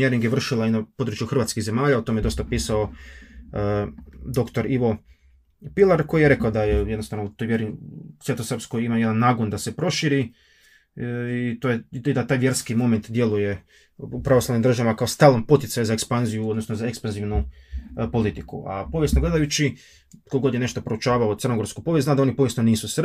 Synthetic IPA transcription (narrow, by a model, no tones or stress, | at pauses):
eɾiŋɡjeʋr̩ʃilainapo̞d̪ɾut͡ʃjuxr̩ʋat̪kiɣze̞maːʎaot̪o̞mejed̪o̞st̪apiːsao̞ | d̪o̞kt̪o̞ɾiʋo̞ | pilˠaɾko̞jijeɾe̞kaod̪ajejed̪nost̪aʋnout̪ojʋjeɾisʋʲje̞t̪osrpsko̞jimajed̪anːaːɡond̪ase̞pɾo̞ʃiɾi | it̪ojeid̪at̪aːjʋje̞ɾskimo̞ment̪d̪je̞luje̞ | upɾaʋoslaʋnimd̪r̩ʒaʋamakaost̪alˠompo̞t̪jet̪sajuzaekspanzijuod̪nosnozaekspanziʋnupo̞lit̪ikṵʔa̰po̞ʋjesnoɡle̞d̪ajut͡ʃi | koɡo̞d̪jene̞ʃt̪opɾout͡ʃaːʋaot̪ər̩noɡo̞ɾskupo̞ʋjeznad̪anipo̞ʋje̞sno̞niːsusr